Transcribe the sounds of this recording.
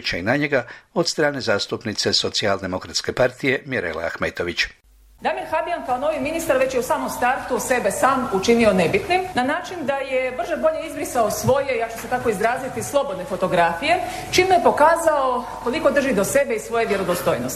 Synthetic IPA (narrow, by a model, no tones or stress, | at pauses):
t͡ʃa̰jnaɲeɡaod̪st̪ɾaːne̞zaːst̪upnit̪seso̞t̪sialˠd̪e̞mokɾat̪ske̞paɾt̪ijemjiɾḛla̰a̰xmḛːt̪oʋit͡ʃ | d̪amiɾxabiankaono̞ʋiminist̪aɾʋe̞t͡ɕjeusaːmo̞mst̪aɾt̪use̞be̞saːmut͡ʃinio̞ne̞bit̪nimnanaːt͡ʃind̪ajebr̩ʒebo̞ʎeizbɾisaosʋo̞je̞jaːt͡ʃu̥set̪ako̞izɾaːzit̪islˠo̞bod̪ne̞fo̞t̪o̞ɡɾafije̞ | t͡ʃiːmnojepo̞kaːzao | ko̞lˠiko̞d̪r̩ʒid̪o̞se̞beisʋo̞je̞ʋjeɾo̞d̪ost̪ojnost̪